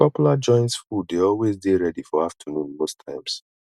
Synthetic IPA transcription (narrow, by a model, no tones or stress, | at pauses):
pɔpjulad͡ʒɔ̃ɪ̃ntsfudeɔlwezdeɹɛdifɔaftʰənũnmostʰãɪ̃ms